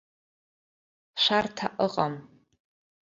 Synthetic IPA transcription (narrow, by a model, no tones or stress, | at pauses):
ʃʷartʰaʔəqʼam